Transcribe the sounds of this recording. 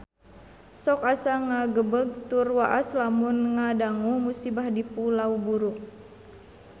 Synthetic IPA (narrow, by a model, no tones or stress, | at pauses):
sɔkasaŋaɡəbəɡ̚t̪urwaʔaslamunŋadaŋumusibahdipulaubuɾu